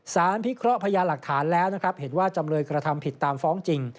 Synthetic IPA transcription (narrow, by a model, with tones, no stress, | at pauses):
saː˩˦npʰi˦˥kʰɾɔ˦˥ʔpʰa˧jaː˧la˨˩k̚t̪ʰaː˩˦nlɛː˦˥wna˦˥kʰɾa˦˥p̚he˩˦nwaː˥˩t͡ɕa˧mɾɤː˧jkɾa˧t̪ʰa˧mpʰi˨˩t̪ːaː˧mfɔː˦˥ŋt͡ɕi˧ŋ